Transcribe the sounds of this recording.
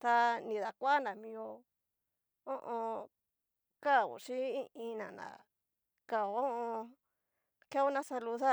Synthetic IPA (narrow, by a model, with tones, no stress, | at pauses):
t̪a˧nĩ˨ða˨kʷa˦a˦nã˨mĩ˧o˧ | o˦ʔõ˧ | ka˦˨ṵ˨ʃi˦i˦ĩ˧nã̰˨nã̰˨ | ka˧˨o˨o˦ʔõ˧ | ka˦u˦nã˦sa˧lu˧ða˦